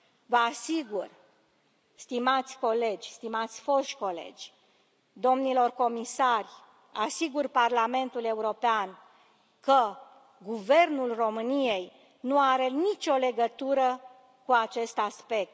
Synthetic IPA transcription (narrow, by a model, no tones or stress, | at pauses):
vəasiɡur | st̪imat̪sʲko̞le̞d͡ʒʲst̪imat̪sʲfo̞ʃko̞le̞̰d͡ʒʲ | d̪o̞mnilo̞rko̞misarʲ | asiɡurparlame̞nt̪ule̞uɾo̞pean | kə | ɡuve̞rnulro̞mɨnijej | nuaɾe̞nit͡ʃʲo̞le̞ɡət̪uɾə | kuat͡ʃe̞st̪aspe̞k̚t̪